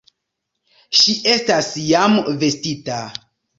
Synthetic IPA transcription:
ʃiʔe̞stasjamve̞stita

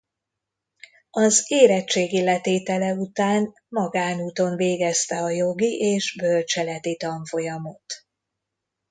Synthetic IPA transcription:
ɒzeːɾɛt͡ʃːeːɡilɛt̪eːt̪ɛlɛut̪aːn | mɒɡaːnuːt̪o̞ɱveːɡɛst̪ɛɒjo̞ɡiʔeːʒbølt͡ʃɛlɛt̪it̪ɒɱfo̞jɒmo̞t̪

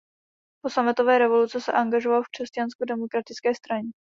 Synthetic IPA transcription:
po̞samɪt̪o̞vɛːɾɛvo̞lut͡sɛsɛ̰ʔaŋɡaʒovalfkr̝̥ɛscanskodɛmokɾat̪ɪt͡skɛːst̪ɾaɲɛ

